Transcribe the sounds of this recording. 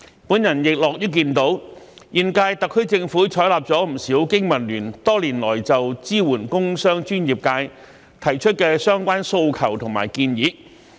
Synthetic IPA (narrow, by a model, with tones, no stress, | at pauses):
puː˨˥njɐ˨˩njɪ˨k̚lɔː˨k̚jyː˥k̬iː˧nt̪o˨˥wjiː˨˩nkaː˧jt̪ɐ˨kʰːɵ˥ɥt͡sɪ˧ŋfuː˨˥t͡ʃʰɔː˨˥jlaː˨p̚t͡sɔː˨˥m̩˨˩siː˨˥wkɪ˥ŋmɐ˨˩nlyː˨˩nt̪ɔː˥liː˨˩nlɔː˨˩jt͡sɐ˨wt͡siː˥wuː˨˩nkʊ˥ŋsœː˥ŋt͡ʃyː˥njiː˨p̚kaː˧j | t̪ʰɐ˨˩jt͡ʃʰɵ˥t̚kɛː˧sœː˥ŋkʷaː˥nso˧wkʰɐ˨˩wt̪ʰʊ˨ŋma̰ː˨˩jkiː˧njiː˨˥